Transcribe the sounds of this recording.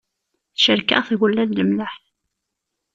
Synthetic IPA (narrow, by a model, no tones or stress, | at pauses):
θʃəɾka̰ʁθɣəlːæðləmləħθ